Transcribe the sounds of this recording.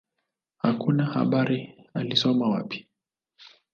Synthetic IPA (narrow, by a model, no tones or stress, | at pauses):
hakunaha̰ɓaɾialisɔmawapi̥